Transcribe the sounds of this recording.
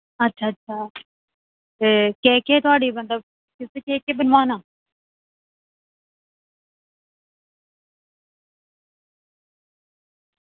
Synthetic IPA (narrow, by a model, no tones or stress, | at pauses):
ətːʃʰaːətːʃʰaː | eːkɛːkeːt̪ʊaːɽiːmət̪ləb̚ | kɪseːkeːkeːbənʋaːnãː